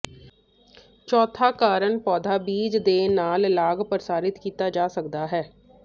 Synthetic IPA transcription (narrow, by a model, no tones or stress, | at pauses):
t͡ʃɔːt̪ʰakaːɾənpɔːd̪ʱabiːd͡ʒd̪eːnaːllaːɡpəɾsaːɾɪt̪kiːt̪ad͡ʒaːsəkd̪aɦɛː